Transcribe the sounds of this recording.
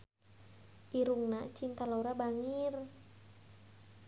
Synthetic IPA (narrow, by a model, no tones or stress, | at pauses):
ʔiɾuŋnat͡ʃint̪aloɾabaŋir